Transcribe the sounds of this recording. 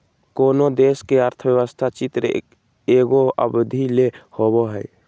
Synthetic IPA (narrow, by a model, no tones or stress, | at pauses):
koːnod̪eːskeəɾt̪ʰəbjɛwəst̪ʰat͡ʃit̪ɾḛ | eːɡoə̰bd̪ʱilehoboɦɛː